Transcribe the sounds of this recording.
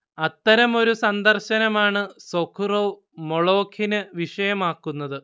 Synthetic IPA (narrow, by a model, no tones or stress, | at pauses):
ɐt̪ːɐɾɐmo̞ɾusɐnd̪ɐrɕɐnɐmaːɳɨsokʰːuroː | moɭo̞ːkʰinɨʋiʂɐjɐmaːkːunːɐðɨ